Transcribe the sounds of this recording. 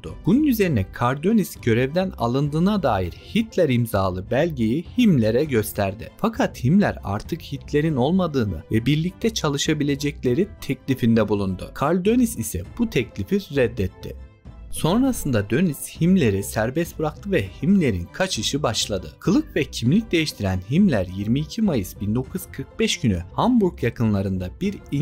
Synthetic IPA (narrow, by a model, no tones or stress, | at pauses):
d̪̥ʊ̰b̥ununyze̞ɾinɛkʰaɾlʲd̪ø̞nisɟø̞ɾɛvd̪æna̰lˠɯnd̪ɯːnad̪aːjḭɾhit̪lʲæɾimzaːlˠɯbælʲɟejihimlʲe̞ɾɛɟø̞st̪ʰæɾd̪ɪ̰fakʰat̪himlʲæ̰ɾa̰ɾt̪ʰɯkhit̪ʰlʲe̞ɾino̞lˠmad̪ɯːnɯ̰vɛbiɾlʲic̚t̪ʰɛt͡ʃʰalˠɯʃabilʲe̞d͡ʒɛclʲe̞ɾit̪ʰɛclʲifind̪ɛbulˠund̪ʊ̰kʰaɾlʲd̪ønisisɛ̰b̥ut̪ʰɛclʲifiɾɛd̪ːɛt̪ʰːɪ̰ | so̞nɾasɯnd̪ad̪ønishimlʲe̞ɾisæɾbɛst̪̚bɯɾak̚t̪ʰɯvɛhimlʲe̞ɾḭnkʰat͡ʃɯʃɯbaʃlˠad̪ɯkʰɯlˠɯkvɛcʰimlʲic̚d̪e̞jiʃt̪ʰiɾænɦimlʲæɾjiɾmiːcʰimajɯsbind̪o̞kʰuz̥kʰɯɾk̚bɛʃɟ̥ynyhambuɾkjakʰɯnlˠaɾɯnd̪ab̥iɾi